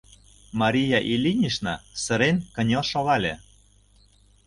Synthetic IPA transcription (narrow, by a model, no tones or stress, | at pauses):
mɑɾʲijɑʔilʲinʲiʃnɑsə̆ɾenkə̆nʲɤʃoɣɑlʲe